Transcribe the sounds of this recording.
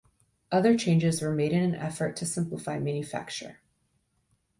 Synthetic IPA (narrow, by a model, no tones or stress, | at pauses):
ʔʌðə˞t͡ʃʰẽɪ̃nd͡ʒɨzwə˞meɪɾɨ̃nɨ̃nʔɛ̰fə˞tʰɨsɪ̃mpləfaɪmæ̃njɨfæ̰k̚t͡ʃə̰˞